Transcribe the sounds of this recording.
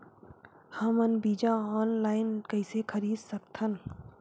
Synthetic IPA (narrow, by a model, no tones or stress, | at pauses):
hɐmɐnbiːd͡ʒãɔːnlaːɪnkɐɪsekʰɐɾiːd̪sɐk̚t̪ʰɐn